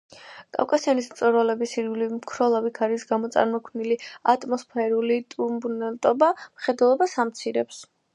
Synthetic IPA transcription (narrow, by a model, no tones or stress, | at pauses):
kʼa̰wkʼasianismt̪sʼɔɾwalɛbisiɾɡlimkʰɾɔlˠavikʰaɾisɡamɔt̪sʼa̰ɾmɔkʰniliat̪ʼmɔspʰɛɾulit̪ʼuɾbunɛlt̪ʼɔbamχɛd̪ɛlˠɔbasamt̪sʰiɾɛps